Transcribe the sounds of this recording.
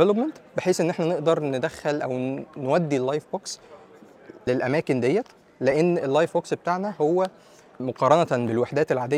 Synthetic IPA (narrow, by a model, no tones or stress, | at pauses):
elopment̪beħeːsʔenːʔeħnæneʔd̪ɑɾˤned̪æxːælʔæwnwæd̪ːilːɑjfbɑːks | lelʔæmæːkend̪ejːæ | leʔenːelːɑːjfbɑːksbet̪aːʕnæhowːæ | moqɑːɾˤɑnæt̪belwaħd̪æːt̪elʕaːd̪ej